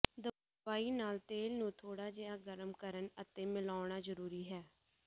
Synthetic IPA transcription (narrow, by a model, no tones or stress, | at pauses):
d̪ə | aːiːnaːlt̪eːlnũːt̪ʰoːɽaːd͡ʒeːaːɡəɾəmkəɾənət̪eːmɪlaːɳ̃aːzəɾuːɾiːɦɛː